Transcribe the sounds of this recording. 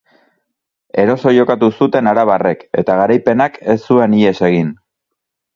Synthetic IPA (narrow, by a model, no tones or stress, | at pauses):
e̞ɾo̞so̞ʝo̞kat̪usut̪e̞naɾaβ̞are̞ke̞̰t̪aɣ̞aɾajpe̞nake̞sːue̞nie̞se̞ɣ̞in